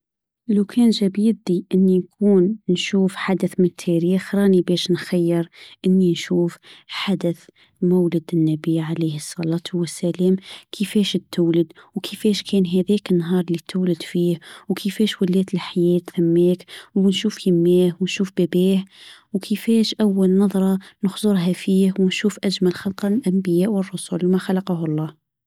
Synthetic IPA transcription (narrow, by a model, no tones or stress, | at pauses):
lawkʰɛːnʒæbjɪd̪iʔɪnːinkʰuːnnʃuːfħad̪əθmɪnət̪ʰːɛɾiːxɾˤɑːnibɛːʃnxajːɪɾˤʔɪnːinʃuːfħad̪aθ | mawlɪd̪ɪnːæbiːʕaliːhəsˤːɑlɑːt̪ˤhwːəsːælɛːmkʰəfɛːʃɪt̪ːʊːlɪd̪wkʰɪfɛːʃkʰɛːnɦæðɛːkɪnːɦɑːɾˤlit̪ːʊːlɪd̪fiːhwkʰəfɛːʃwʊlɛːt̪əlħajɛːt̪θæmːeːkwnʃuːfhɪmːeːhwnʃuːfbæbiːhwkʰɪfɛːʃʔawːalnɑðˤɾˤɑnʊxzˤʊɾˤɦafiːhwɪnʃuːfʔad͡ʒmælxɑlqɑlʔambɪjæːʔwərˤːʊsulmaxalɑqɑhʊlˤːɑːh